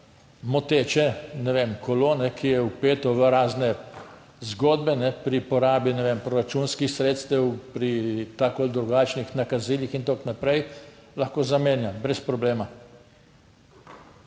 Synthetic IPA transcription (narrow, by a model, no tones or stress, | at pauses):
mɔt̪eːt͡ʃɛnɛʋemkɔloːnɛkʰijɛupeːt̪ɔʋəɾaːznɛ | zɡoːd̪bɛnɛpɾipɔɾaːbinɛʋempɾɔɾat͡ʃunskixsɾeːt̪st̪ɛwpɾit̪akold̪ɾuɡaːt͡ʃnixnakaziːlixint̪oknapɾɛjlaxkoːzameːnjabɾɛspɾɔbleːma